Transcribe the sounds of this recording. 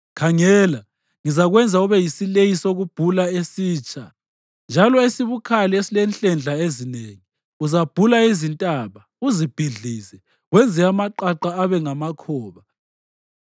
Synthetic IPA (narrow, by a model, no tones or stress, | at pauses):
kʰaŋɛːla | ŋizaɣwɛnd͡zʱauβɛjisilejisoɣub̥ʱulaesiːt͡ʃʼa | nd͡ʒʱalɔesiβukʰaliesilɛnɬʼɛnd͡ɮʱaezineŋi | uzab̥ʱulaizintʼaβa | uzib̥ʱiɮiːsɛ | wɛnd͡zʱɛamaǃaǃaːβɛŋamakʰɔːβa